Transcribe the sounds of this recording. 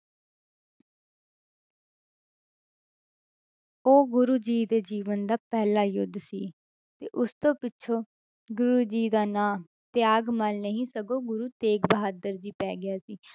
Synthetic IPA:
oːɡʊɾuːd͡ʒiːd̪eːd͡ʒiːʋənd̪aːpɛːlaːjʊd̪siː | t̪ḛːʔʊst̪õːpɪʃʰoː | ɡʊɾuːd͡ʒiːd̪aːnaː | t̪ɪjaːɡmaːlnəɦĩːsəɡoːɡʊɾuːt̪eːkbəɦaːd̪əɾd͡ʒiːpɛ̰ːɡɪjaːsiː

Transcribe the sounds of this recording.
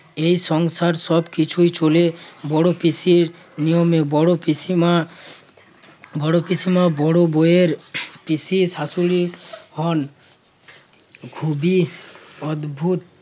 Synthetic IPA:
ejʃɔŋsaɾʃɔbkit͡ɕʰujt͡ɕolebɔɽopisiɾ | nijomebɔɽopiima | bɔɽopisimabɔɽobojeɾpisiʃasulihɔn | ɡʱubi | ɔd̪bʱut̪̚

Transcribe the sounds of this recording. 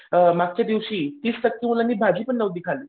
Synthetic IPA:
maɡ̚t͡ɕjad̪iʋɕiːt̪iːssək̚t̪imulanːiːbʱad͡ʑiːpəɳːəʋd̪ikʰaliː

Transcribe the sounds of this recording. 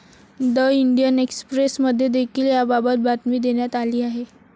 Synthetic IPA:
d̪əiɳɖijənekspɾesməd̪ʱːjed̪ekʰiːljababət̪̚bʱat̪miːd̪eɳjat̪aliːaɦe

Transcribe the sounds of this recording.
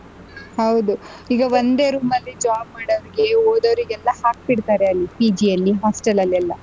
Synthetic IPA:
hɐwd̪u | iːɡɐʋond̪e̞ːɾuːmɐlːid͡ʒaːb̚maːɽɐʋɐɾiɡe̞oːd̪ɐʋɐɾiɡɛlːɐhaːk̚biɽt̪aːɾeɐlːipiːd͡ʒiɐlːiɦaːsʈɐlɐlːɛlːɐ

